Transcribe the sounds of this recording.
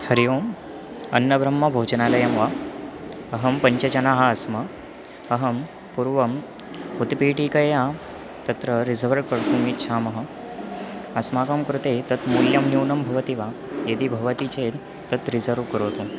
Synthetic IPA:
hɐɾijoːm | ɐnːɐbʱɾɐmːɐbʱoːd͡ʒnaːlɐjɐmʋa | ɐɦɐmpɐɲt͡ɕɐt͡ɕɐnaːɦɐɐsmɐ | ɐɦɐm | puɾʋɐm | ut̪piːʈiːkɐja | t̪ɐt̪ɾəɾizəʋɾʋkɐɾt̪ũmit̪̚ʃʰaːmɐɦɐ̆ | ɐsmaːkəmkɾut̪et̪ɐt̪muljɐmnjuːnɐmbʱɐʋət̪iʋa | jed̪iːbʱɐʋt̪iːt͡ɕeː | t̪ɐt̪ɾizəɾʋkəɾoːt̪oː

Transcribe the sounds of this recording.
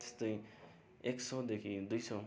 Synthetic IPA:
t̪e̥st̪ʌj | eksʌd̪ekʰid̪ujsʌ

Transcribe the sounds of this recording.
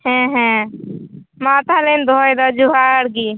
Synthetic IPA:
hɛ̃ːɦɛ̃ | maːt̪ʰalend̪ʱɔːjd̪ad͡ʒuɦaəɽɡiː

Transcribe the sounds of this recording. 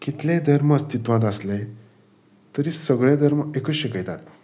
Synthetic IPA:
kit̪lẽd̪ʱəɾməəst̪it̪ʋãt̪̬əslẽ | t̪əɾiːsəɡɭẽd̪ʱəɾməekəɕikəjt̪at̪

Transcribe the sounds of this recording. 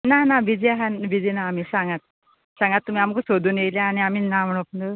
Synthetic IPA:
nanabid͡zeɦanʋid͡ʑɛnaːmiːsãŋɡat̪̚ | sãŋɡat̪ːum̤iamkusod̪ʱuːnjeljaːñiamiːnam̤əɽ̃opəɳə

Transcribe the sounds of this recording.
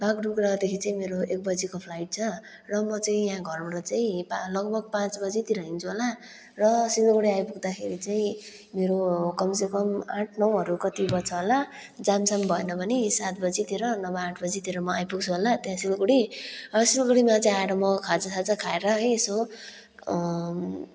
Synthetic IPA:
baɡrukrʌd̪ekʰit͡saĩmeɾoek̚bʌd͡zikopʰlajʈ̚t͡sʰʌ | rʌmʌt͡saĩjãɡʱʌrbʌɽʌt͡saĩpalʌɡbʱʌɡ̚pãt͡sbʌd͡zit̪iɾʌɦint͡sʰuɦola | rʌsilokuɽiajpuɡd̪akʰeɾit͡saĩ | meɾokʌmsekʌmãʈʰnʌwɦʌɾukʌt̪ibʌt͡sʰʌɦola | d͡zamsambʱʌenʌbʱʌnisat̪̚bʌd͡zit̪iɾʌnʌbaaʈʰbʌd͡zit̪iɾʌmʌajpuɡ̚t͡sʰuɦolat̪jãsilkuɽisilkuɽimat͡saĩaeɾʌmʌkʰad͡zʌsad͡zʌkʰaeɾʌɦʌjeso

